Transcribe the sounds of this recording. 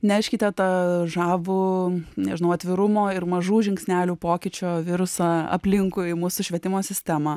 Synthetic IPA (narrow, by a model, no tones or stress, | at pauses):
nʲɛɛɪʃʲkʲɪt̪ʲɛt̪ɑʒɑːʋʊnʲɛʒʲɪnɐʊɐt̪ʲʋʲɪɾʊmoːɪɾmɐʒuːʒʲɪŋʲksʲnʲæːlʲuːpoːkʲɪt͡ʃʲoːʋʲɪɾʊsɑɐ̰pʲlʲɪŋkʊɪmuːsʊʃʲʋʲɛt̪ʲɪmoːsʲɪsʲt̪ʲæmɐ